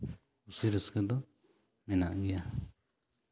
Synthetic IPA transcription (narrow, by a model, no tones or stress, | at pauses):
usiɾəskəd̪ɔ | mɛna̰ʔɡia